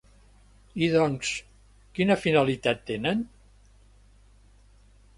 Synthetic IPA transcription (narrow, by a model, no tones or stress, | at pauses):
iðɔŋs | kinəfinalit̪at̪ːenən